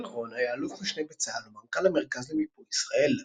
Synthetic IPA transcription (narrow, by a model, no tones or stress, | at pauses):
ʁonajaːluχmiʃnejbet͡saalumamkalameʁkazlemipoisʁae̞l